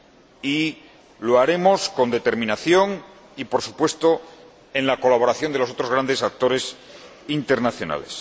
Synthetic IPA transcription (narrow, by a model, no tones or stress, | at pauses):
i | lo̞aɾe̞mo̞sko̞nd̪e̞t̪e̞ɾmĩnaθjo̞ŋ | ipo̞ɾsupwe̞st̪o̞ | e̞nlako̞laβo̞ɾaθjo̞nd̪e̞lo̞sot̪ɾoɣ̞ɾand̪e̞sak̚t̪o̞ɾe̞s | int̪e̞ɾnaθjo̞na̰le̞̰s